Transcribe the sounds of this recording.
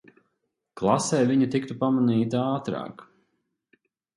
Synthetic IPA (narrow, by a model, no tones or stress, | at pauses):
klˠasɛjviɲut̪ikt̪upamaniːt̪aaːt̪ɾɑ̰ːk